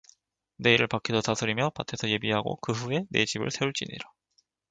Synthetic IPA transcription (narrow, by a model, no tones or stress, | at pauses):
ne̞iɾɯɭpak͈ʰidotasʰɯɾimjʌpatʰe̞sʰʌje̞biɦaɡo̰kɯɦue̞ne̞t͡ɕibɯ̰ɭsʰe̞uɭt͡ɕ͈ḭɲḭɾa